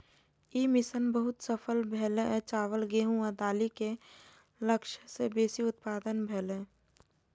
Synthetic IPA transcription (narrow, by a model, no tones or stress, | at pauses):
iːmɪsənbəɦʊt̪səpʰəlbʱeːlet͡ʃaːʋəlɡeːɦũad̪aːlike | ləkʃsebeːsiʊt̪̚paːd̪ənbʱeːlẽː